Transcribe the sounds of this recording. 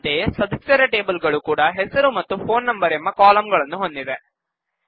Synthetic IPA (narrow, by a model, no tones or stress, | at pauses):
d̪eːsɐd̪ɐsjɐɾɐʈe̞ːbɐlɡɐɭukuːɽɐɦɛsɐɾumɐt̪ːupʰo̞ːnːɐmbɐɾemːɐkaːlɐmɡɐɭɐnːuɦo̞nd̪id̪e